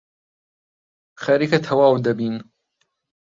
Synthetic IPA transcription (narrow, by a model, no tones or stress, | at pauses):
xɐɾikɐt̪ʰɐwaːwd̪ɐbiːn